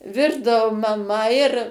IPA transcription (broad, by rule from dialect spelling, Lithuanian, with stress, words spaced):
ˈʋʲɪrdɐʋʊ mɐˈmɐ ɪr